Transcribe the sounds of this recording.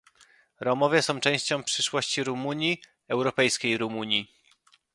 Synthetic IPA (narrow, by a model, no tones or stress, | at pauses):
ɾɔmɔvʲjɛsɔ̃w̃t͡ʂɛ̃w̃ɕt͡ɕɔ̃w̃pʂɘʂwɔɕt͡ɕiɾumuɲji | ɛwɾɔpɛjskʲejɾumuɲji